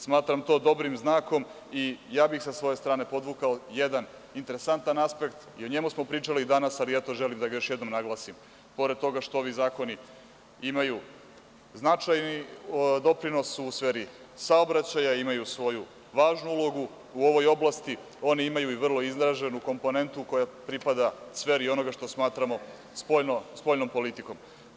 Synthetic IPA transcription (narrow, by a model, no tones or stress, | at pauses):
smaːt̪ɾamt̪o̞d̪o̞bɾimznaːko̞m | ijaːbixsasʋo̞je̞st̪ɾaːne̞po̞d̪ʋukaojed̪an | int̪e̞ɾesant̪anaspe̞kt̪io̞ɲe̞musmo̞pɾiːt͡ʂalid̪anasaliɛt̪o̞ʒelimd̪aɡajo̞ʃjed̪nomnaɡlˠaːsim | po̞ɾed̪t̪o̞ɡaʃt̪oo̞ʋizaːko̞ni | imaju | znat͡ʃajnid̪o̞pɾino̞suusʋeːɾisaobɾat͡ɕajaimajusʋo̞ju | ʋaːʒnuulˠo̞ɡu | uo̞ʋo̞jo̞blˠast̪i | o̞niimajuiʋr̩lˠo̞iznɾaʒe̞nuko̞mpo̞ne̞nt̪uko̞japɾipad̪asʋe̞ɾio̞no̞ɡaʃt̪o̞smaːt̪ɾamo̞ | sponospo̞ʎno̞mpo̞lit̪iko̞m